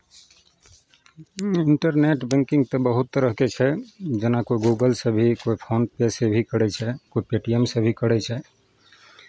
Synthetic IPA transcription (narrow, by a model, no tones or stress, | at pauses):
iɳʈəɾneʈbɛ̃ŋkĩŋɡt̪əbəɦut̪ːəɾəɦket͡ʃʰɛd͡ʒenakoiɡuɡəlsəbʱikoipʰonpesebʱikəɾɛt͡ʃʰɛkoipeʈiemsəbʱikəɾɛt͡ʃʰɛ